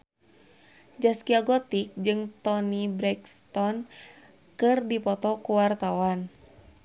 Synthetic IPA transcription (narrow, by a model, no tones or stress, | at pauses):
d͡ʒaskiaɡɔt̪ik̚d͡ʒɨŋt̪ɔnibɾɛkst̪ɔn | kɨrdipɔt̪ɔkuwart̪awan